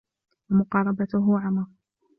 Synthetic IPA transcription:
wamʊqɑːɾˤɑbat̪ʊɦʊʕamɑɾˤ

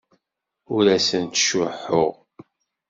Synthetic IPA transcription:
ʊɾæsənt̪ʃʊħʊ̰ʁ

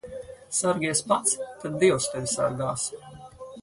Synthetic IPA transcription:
saɾɡʲiɛspat̪st̪ad̪̚d̪iɛwst̪evʲisa̰ɾɡaːs

